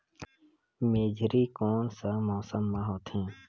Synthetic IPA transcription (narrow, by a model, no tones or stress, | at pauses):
meːd͡ʒʱɾikɔːnsamɔːsəmːãɦoːt̪hɛ̃ː